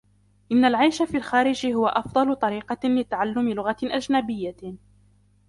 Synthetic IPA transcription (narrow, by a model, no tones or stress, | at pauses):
ʔɪnːalʕajʃafiːlxaːɾɪd͡ʒhʊwaʔɑfd̪ˤɑlʊt̪ˤɑɾiːqɑlɪt̪aʕalːʊmɪlʊɣaʔad͡ʒnabɪjːa